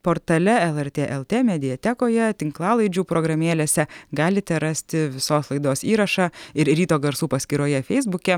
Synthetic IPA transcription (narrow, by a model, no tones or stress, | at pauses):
poːɾt̪ɐlʲɛɛlˠɛɾʲt̪ʲeːʔɛlˠt̪ʲeːmʲɛd̪ʲɪjɛt̪ʲɛkoːjɛt̪ʲɪŋklˠɑːlˠɐɪd͡ʒʲuːpɾoːɡɾɐmʲeːlʲeːsʲɛɡɑːlʲɪt̪ʲɛɾɑsʲt̪ʲɪʋʲɪsoːslˠɐɪd̪oːsiːɾɐʃɑɪɾɾʲiːt̪oːɡɐɾsuːpɐsʲkʲiɾoːjɛfʲɛɪzbʊkʲɛ